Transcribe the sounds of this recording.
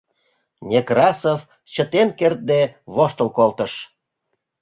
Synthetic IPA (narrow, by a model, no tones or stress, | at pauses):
nʲekrɑsəf | t͡ɕə̆t̪enkert̪̚d̪eβoʃt̪əlkolt̪əʃ